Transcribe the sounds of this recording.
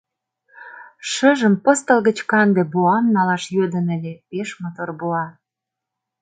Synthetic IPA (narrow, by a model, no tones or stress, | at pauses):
ʃəʒəmpə̆st̪ə̆lɣə̆t͡ɕkɑnd̪ĕbuɑmnɑlɑʃjød̪ənə̆lʲepeʃmot̪orbuɑ